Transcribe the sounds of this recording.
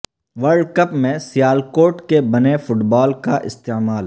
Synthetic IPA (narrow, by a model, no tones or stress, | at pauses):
ʋəɾɖkɐpmẽsɪjaːlkoːɾʈkebɐnefʊʈbɔːlkaʔɪ̰st̪eːmaːl